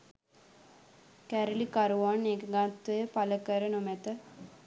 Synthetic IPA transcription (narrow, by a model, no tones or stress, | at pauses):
kæɾəlikaɾuʋanekəɡat̪ːujəpaləkəɾənomæt̪ə